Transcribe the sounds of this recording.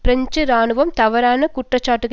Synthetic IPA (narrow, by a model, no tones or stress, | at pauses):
pɾɐɲd͡ʒɯɾaːnɯʋɐmt̪ɐʋɐɾaːnɐkʊʈrɐt͡ʃːaːʈːɯɣɐ